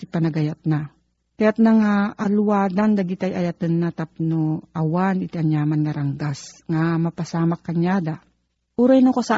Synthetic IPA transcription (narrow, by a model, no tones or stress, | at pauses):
ipɐnɐɡɐjat̪̚na | kɐjat̪̚naŋaʔalwad̪and̪ɐɡɪt̪ajʔɐjat̪ɨnːat̪ap̚noawanɪt̪ɐɲjaːmanːɐɾɐŋɡasŋamɐpɐsaːmakːɐɲjad̪a | ʔuɾajnokosa